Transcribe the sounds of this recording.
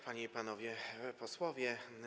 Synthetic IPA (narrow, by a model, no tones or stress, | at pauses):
paɲeipanɔvʲjɛpɔswɔvʲjɛ